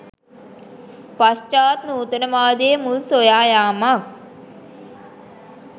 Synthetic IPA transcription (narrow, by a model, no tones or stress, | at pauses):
past͡ʃaːt̪nuːt̪ənəmaːd̪eəmulsojaːjaːmak̚